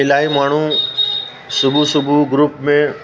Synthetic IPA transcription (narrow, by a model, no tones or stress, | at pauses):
ɪlaːimaːɳ̤u | sʊbʱusʊbʱuɡɾupmẽ